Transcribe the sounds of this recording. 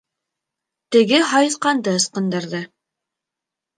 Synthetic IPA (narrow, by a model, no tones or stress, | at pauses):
t̪ɘ̆ɡɘɦɑjɤ̆θqɑnd̪ɤɤ̆sqɤ̆nd̪ɤ̆ɾðɤ